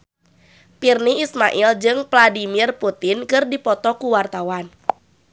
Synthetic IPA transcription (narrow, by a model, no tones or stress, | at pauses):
pirniismaʔild͡ʒɨŋvladimirput̪ɪnkɨrdipɔt̪ɔkuwart̪awan